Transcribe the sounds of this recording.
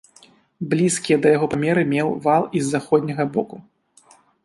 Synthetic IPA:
blʲiskʲijɛd̪ɐjaɣɔpamʲɛɾɨmʲɛwvalˠizːaxɔd̪ʲnʲɐɣɐbɔku

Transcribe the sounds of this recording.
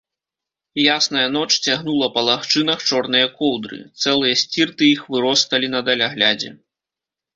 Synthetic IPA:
jasnɐjɐn̪ɔt͡ʂt͡sʲaɣnulˠɐpɐlˠaxt͡ʂɨnɐxt͡ʂɔrn̪ɨjɐkɔwd̪ɾɨ̰t̪sɛlˠɨjɐsʲt͡sʲirt̪ɨjixvɨɾɔst̪ɐlʲin̪ɐd̪ɐlʲaɣlʲad͡zʲɛ̰

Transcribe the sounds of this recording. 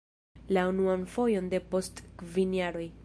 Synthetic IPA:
launuanfo̞jo̞nde̞po̞stkvinjaɾo̞j

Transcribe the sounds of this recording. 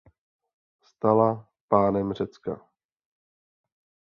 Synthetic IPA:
st̪ala | paːnɛmr̝ɛt͡ska̰

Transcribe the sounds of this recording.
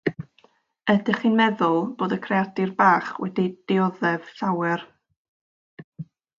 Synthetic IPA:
ədɪχinmɛðʊlˠb̥oːdəkʰreadɪrbaːχwɛ̰did̥ɪɔðɛv̥ɬawɛr

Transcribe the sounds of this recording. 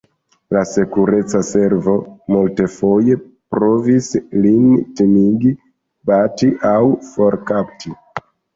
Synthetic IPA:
lase̞kuɾe̞t͡sase̞ɾvo̞multe̞fo̞je̞ | pɾo̞vislintemiɡi | batiʔawfo̞ɾkap̚tʰi

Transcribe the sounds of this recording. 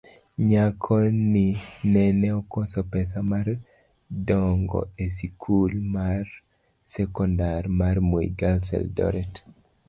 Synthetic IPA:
ɲakʰɔninɛnɛɔkɔsɔpɛs̬amar | dɔŋɡɔ̰esikʰulmar | sɛkɔndarmarmoḭɡalsɛ̰ldɔ̰ɾɛt

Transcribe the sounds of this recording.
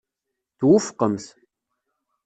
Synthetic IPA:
d̥̪wʊfqəms

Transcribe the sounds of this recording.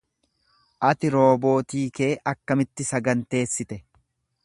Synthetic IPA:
ʔɐt̪ɪɾo̞ːbo̞ːt̪iːke̞ːʔɐkːɐmɪt̪ːɪsɐɡɐnt̪e̞ːsːɪt̪ɛ

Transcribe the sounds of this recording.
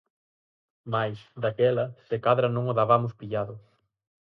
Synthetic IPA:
majsd̪akɛlɐsekaðɾɐnõŋoðaβamʊspiʎaðʊ

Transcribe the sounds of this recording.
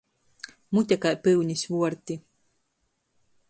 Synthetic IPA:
mut̪ʲɛkajpɨwɲʲisʲvuɔɾt̪ʲi

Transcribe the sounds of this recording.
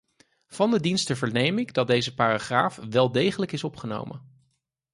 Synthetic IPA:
v̥ɑndədinstəvəɹnejmɪɡdɑt̚dejzəpaːraχra̰ːfʋɛlˠdejχələkɪsɔpχəno̰wmə̰

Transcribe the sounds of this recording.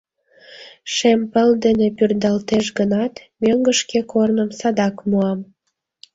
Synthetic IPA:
ʃempəld̪enepyrd̪ɑlt̪eʃɡənɑt̪møŋɡə̆ʃkekornəmsɑd̪ɑkmuɑm

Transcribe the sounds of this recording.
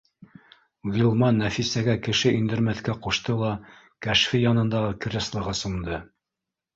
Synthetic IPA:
ɣilˠmɑnːæfisæɡækɘ̆ʃɘʔind̪ɘ̆ɾmæθkæquʃt̪ɤlˠɑ | kæʃfijɑnɤ̆nd̪ɑʁɤkɘ̆ɾɘ̆slˠɤ̆ʁɤsŭnd̪ɤ

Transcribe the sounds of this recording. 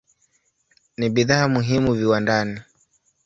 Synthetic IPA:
niɓiðaːmuɦimuviwandani

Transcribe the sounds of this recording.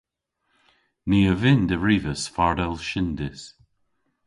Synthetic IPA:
niːəvɪnd̪əɹiːvəsfaɹdɛlˠʃɪnd̪ɪs

